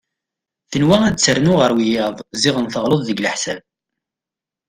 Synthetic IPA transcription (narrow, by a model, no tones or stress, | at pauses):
θənwææd̪t͡sːəɾnʊʁəɾwijɑðˤzɪʁənθəʁloðˤðəɡləħsæ̰b